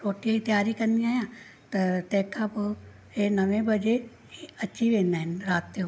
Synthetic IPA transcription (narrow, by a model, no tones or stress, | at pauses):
ɾoːʈijait̪jaːɾikɐɾniaːjã | t̪ɐt̪ɛ̃ːkʰap | enɐʋẽbɐd͡ʒe | iɐtːʃʰiʋẽːnanɾaːt̪ːe